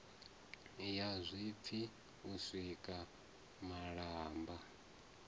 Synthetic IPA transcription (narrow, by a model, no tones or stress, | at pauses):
jazʷip̪fʰi | usʷikʼa | maɺaːmba